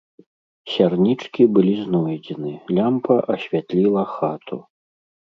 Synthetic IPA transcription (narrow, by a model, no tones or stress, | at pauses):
sʲarnʲit͡ʂkʲibɨlʲiznɔjd͡zʲɛnɨlʲampɐʔɐɕʲvʲat̪lʲilˠɐxat̪ʰṵ